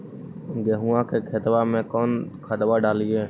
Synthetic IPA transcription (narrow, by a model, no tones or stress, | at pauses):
ɡeːɦuãːkeːkʰeːt̪ʋamẽːkɔːnkʰət̪ʋaɖaːlieː